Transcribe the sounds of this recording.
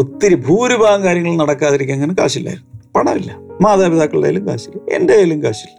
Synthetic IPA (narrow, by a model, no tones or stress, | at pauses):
ot̪ːiɾibʱuːɾubʱaːɐŋkaːɾjɐŋːɐɭnɐɽɐkːaːðiɾik̬ʲːaŋːɐnɨka̰ːɕilːa̰ːjiɾunːupɐɳɐʋilːɐmaːðaːbiðaːkːɐɭua̰ja̰lumka̰ːɕilːɐḛndejalumkaːɕilːɐ